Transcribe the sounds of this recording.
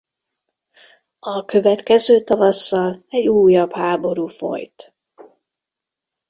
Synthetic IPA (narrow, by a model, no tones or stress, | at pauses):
ɒkø̞vɛt̪kɛzøːt̪ɒvɒsːɒlɛɟuːjɒbhaːbo̞ɾuːfo̞̰jt̪